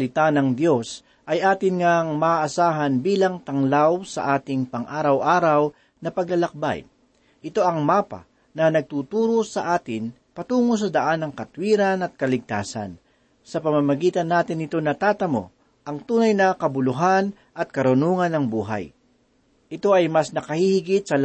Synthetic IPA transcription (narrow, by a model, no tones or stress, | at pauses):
lɪt̪anɐŋd̪jo̞s | ʔɐjʔaːt̪ɪnŋaŋmɐʔːsaːɦɐnbiːlɐŋt̪ɐŋlawsɐ̰ʔaːt̪ɪŋpɐŋʔaːɾɐwʔaːɾɐw | nɐpɐɡɐlɐk̚ba̰j | ʔɪt̪o̞ʔɐŋmaːpa̰ | nɐnɐɡ̚t̪ut̪uːɾosɐʔaːt̪ɪn | pɐt̪uːŋos̬ɐd̪ɐʔanːɐŋkɐt̪wiːɾɐnɐt̪̚kɐlɪɡ̚t̪a̰ːsɐ̰n | sɐpɐmamɐɡiːt̪ɐnːaːt̪ɪnːɪt̪o̞nɐt̪aːt̪ɐmo̞̰ | ʔɐŋt̪uːnɐjnɐkɐbʊlʊɦan | ʔɐt̪̚kɐɾʊnuːŋɐnːɐŋbuːɦa̰j | ʔɪt̪o̞ʔɐjmɐsnɐkɐhihɪɡɪt̪̚sɐ